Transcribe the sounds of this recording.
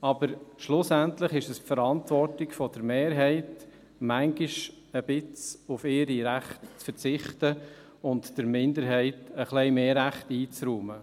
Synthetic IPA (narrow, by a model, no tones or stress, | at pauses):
ɑb̥əɾʃlʊsæntləχɪʃɛsfəɾɑntvʋɔɾtɪkfɔd̥əɾmeːɾɦɛɪt | mæŋɡiʃ | əb̥ɪt͡sʊfɪɾiɾæχtt͡sfəɾt͡sɪχtə | ʊntd̥əɾmɪndəɾɦɛɪtəχlɛɪmeːɾæχtiːt͡sɾuːmə